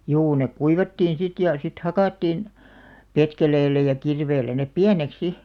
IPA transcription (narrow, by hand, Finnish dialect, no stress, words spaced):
juː nek kuiʋɑtːiːn sit jɑ sit hɑkɑˑtːiːn petkeleːlːæ jɑ kirʋeːlːæ nep piænek si